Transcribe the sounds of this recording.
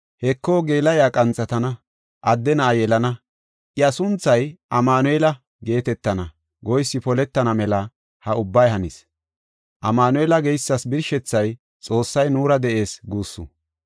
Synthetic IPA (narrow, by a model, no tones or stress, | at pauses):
hɛkːoːɡe̞ːlɐjaːkʼɐnt͡sʼːɐt̪ɐnɐ | ʔɐd̪ːɛnɐʔajɛlɐnɐ | ʔɪɐsʊnt͡sːɐjʔɐmaːnɔɛlɐ | ɡe̞ːt̪ɛt̪ːɐnɐ | ɡɔjsːɪpɔlɛt̪ːɐnɐmɛlɐ | hɐʊbːɐjɦɐnɪs | ʔɐmaːnɔɛlɐɡɛjsːɐsbɪɾʃɛt͡sːɐj | t͡sʼo̞ːsːɐjnuːɾɐd̪ɛʔe̞ːsɡuːsːʊ̰